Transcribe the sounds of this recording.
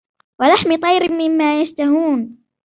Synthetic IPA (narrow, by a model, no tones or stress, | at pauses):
walaħmɪt̪ˤɑjɾɪmːɪmːaːjaʃt̪aɦuːn